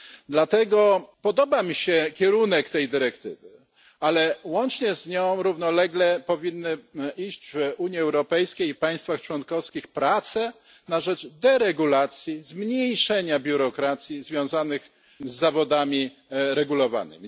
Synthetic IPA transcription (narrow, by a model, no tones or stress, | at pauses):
d̪lat̪ɛɡɔpɔd̪ɔbamʲiɕɛkʲɛɾunɛkt̪ɛjd̪ɘɾɛkt̪ɘ̰vɘ | alɛwɔnt͡ʂɲɛzɲɔ̃w̃ɾuvnɔlɛɡlɛpɔvʲinːɘiʑd͡ʑvuɲjiɛwɾɔpɛjskʲejipaj̃st̪faxt͡ʂwɔnkɔfskʲixpɾat̪sɛ | naʐɛd͡ʐd̪ɛɾɛɡulat̪sʲjizmɲejʂɛɲabʲjuɾɔkɾat̪sʲjizvʲjɔ̃w̃zanɘx | zːavɔd̪amʲi | ɾɛɡulɔva̰nɘ̰mʲi